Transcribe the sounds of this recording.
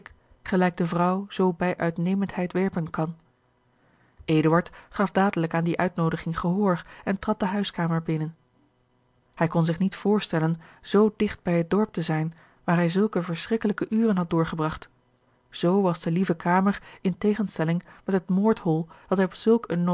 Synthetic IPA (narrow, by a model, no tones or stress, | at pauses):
k | χəlɛjɡ̚dəvrʌwz̥owbɛjʔœɥtnejməntɦɛjtʋɛɹpənkɑn | ʔeːdəʋɑɹtχɑfdaːdələkaːndiʔœɥtnowdəχɪŋχəɦʊːɹχɛntrɑt̚dəɦœɥskaːməɹbɪnən | hɛjkɔnzɪχnitfʊːɹstɛlənz̥owdɪχd̚bɛjɦət̚dɔɹp̚təzɛjn | ʋaːɹɦɛjzɵlˠkəvəɹsrɪkələkəʔyːrənɦɑt̚dʊːɹχəbrɑχt | z̥owʋɑzdəlivəkʰaːməɹɪntejχənstɛlɪŋmɛtɦətmʊːɹthɔlˠd̥ɑtɛjɔpsɵlˠkənː